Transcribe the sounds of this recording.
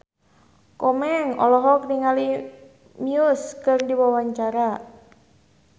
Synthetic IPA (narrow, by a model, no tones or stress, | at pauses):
kɔmɛŋɔ̰lɔɦɔk̚niŋali | miʊskɨrdiwawaɲt͡ʃaɾa